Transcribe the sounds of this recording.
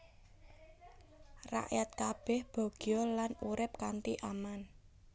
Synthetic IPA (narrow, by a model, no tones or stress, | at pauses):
ra̰ʔjat̪̚kab̥ɛhb̥ɔ̤ɡ̥jɔlanuɾɪp̚kant̪iʔaman